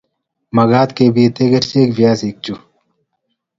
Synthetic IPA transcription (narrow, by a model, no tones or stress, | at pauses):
mɐɡaːt̪keːbit̪eɡɐʈt͡ɕeːkbjaːsiːk̚t͡ɕu